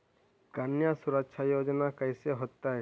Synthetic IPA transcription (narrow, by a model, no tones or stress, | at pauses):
kanjasuɾak̚t͡ʃʰajod͡ʒɔnakajseɦɔt̪ːaj